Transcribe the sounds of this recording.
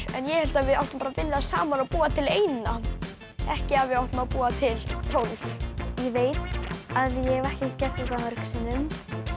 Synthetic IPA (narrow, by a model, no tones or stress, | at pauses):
ɛ̰njɛhɛlt̪avɪðawht̪ʏmpaɾavɪlːaðsaːmanaðpuːat̪ʰɪleːjnna | ɛhcɪavɪðawht̪ʏmaðpuːat̪ʰɪlt̪ʰowljɛveːjt̪aðjɛɛvɛhcɪcɛst̪ɛht̪ahœɾksɪnːʏm